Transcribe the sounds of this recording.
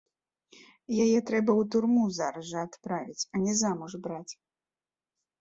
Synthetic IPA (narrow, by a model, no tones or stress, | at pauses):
jajɛt̪ɾɛbɐwt̪urmuzaɾɐʐɐat̪pɾavʲit͡sʲɐnʲɛzamuʐbɾat͡sʲ